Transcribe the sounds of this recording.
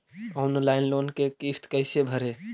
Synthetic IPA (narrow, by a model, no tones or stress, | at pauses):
ɔːnlaːɪnloːnkekiːft̪kɛɪsebʱəɾeː